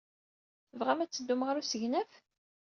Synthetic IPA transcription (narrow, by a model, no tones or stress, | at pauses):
vʁæmæt͡sːəd̪ːumʁəɾusəʝnæf